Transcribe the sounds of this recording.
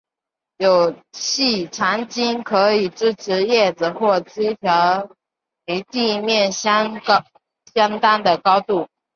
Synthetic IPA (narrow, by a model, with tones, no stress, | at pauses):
jo˨˩ʊt͡ɕʰi˥˩ʈ͡ʂʰa˧˥ŋt͡ɕi˥nkʰɤ˧˥i˨˩ʈ͡ʂɻ̩˥ʈ͡ʂʰɻ̩˧˥jɛ˥˩d͡zɹ̩˨˩xwɔ˥˩t͡se˥t̪ʰjɑ˧˥ʊ | me˧˥ɪt̪i˥˧mjɛ˥˩nɕ | ɕjɑ˥ŋt̪a˥nd̪ə˨kɑ˥ʊt̪u˥˩